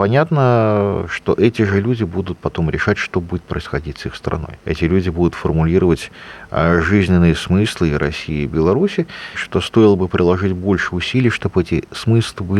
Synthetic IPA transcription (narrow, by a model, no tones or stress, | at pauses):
pɐnʲat̪nəʂt̪o̞̰ʔɛtʲɪʐɨlʲudʲɪbud̪ʊt̪̚pɐt̪o̞mɾʲɪʂatʲʂt̪o̞budʲɪt̪̚pɾəɪsxɐdʲitʲsixst̪ɾɐ̰no̞jɛ̰tʲɪlʲudʲɪbud̪ʊt̪fərmʊlʲiɾəvətʲ | ʐɨzʲnʲɪnːɨjəsmɨslˠɨiɾʔɐsʲiɪbʲɪlˠɐɾusʲɪʂt̪o̞st̪o̞ɪlˠəbɨpɾʲɪlˠɐʐɨtʲbo̞lʲʂɨʊsʲilʲɪjəʂt̪o̞bɛtʲɪsmɨslˠɨbɨ